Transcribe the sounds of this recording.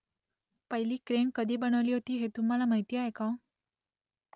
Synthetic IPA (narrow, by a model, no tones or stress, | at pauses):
pəɦiliːkɾemkəd̪ʱiːbəɽ̃əʋliːɦot̪iːɦet̪um̤ːalamaɦit̪iaɦekã